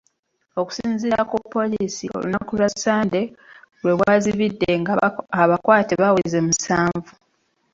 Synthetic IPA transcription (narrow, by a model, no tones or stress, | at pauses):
o̞ku̥siːnziɾakupːo̞liːsio̞̰lṵnakulasaːnde̞lwe̞βwaːziβidːe̞ŋɡaaβakwaːteβaweze̞musaːɱvu